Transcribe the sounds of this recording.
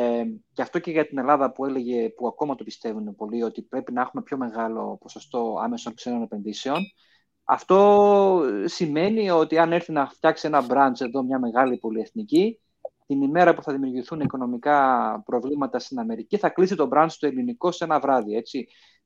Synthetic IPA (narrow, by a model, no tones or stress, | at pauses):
ceɐft̪o̞ce̞ʝɐt̪ine̞lɐðɐpue̞le̞ʝe̞puɐko̞mɐt̪o̞pi̥st̪e̞vunepo̞lio̞t̪ipɾe̞pinɐexume̞pço̞me̞ɣɐlo̞̰po̞sost̪o̞ɐ̰me̞sonkse̞no̞ne̞pe̞nðise̞o̞n | ɐ̰ft̪o̞ | sime̞nio̞t̪iɐneɾθinɐft̪çɐksie̞nɐbɾɐnt͡se̞ðo̞mɲɐme̞ɣɐlipo̞lie̞θnici | t̪inime̞ɾɐpuθɐðimiuɾʝiθuniko̞no̞mikɐpɾo̞vlimɐt̪ɐst̪inɐme̞ɾiciθɐklisit̪o̞bɾɐnd̪st̪oe̞liniko̞se̞nɐvɾɐðie̞t͡si